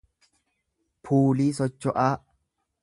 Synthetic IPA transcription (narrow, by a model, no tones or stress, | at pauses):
pʰuːliːsɔt͡ʃːɔʔaː